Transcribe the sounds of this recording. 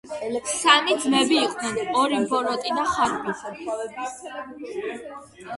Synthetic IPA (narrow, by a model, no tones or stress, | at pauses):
sanid̪mɛbiːqʼnɛnɔɾimbɔɾɔt̪ʼid̪aχaɾbi